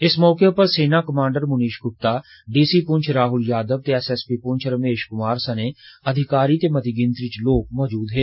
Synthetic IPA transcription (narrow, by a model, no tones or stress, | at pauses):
ɪsmɔːkepɐɾseːnaːkɐmãːɳɖəɾmʊniːʃɡʊp̚t̪aː | ɖiːsiːpʊ̃ɲt͡ʃʰɾaːɦʊljaːd̪əb̚t̪eɛsɛspipʊ̃nt͡ʃʰɾəmeːʃkʊmaːɾsəneːɐd̪ʱɪkaːɾit̪emɐt̪iɡɪ̃nt̪ɾɪt͡ʃloːk̚mɔːd͡ʒuːd̪ɦeː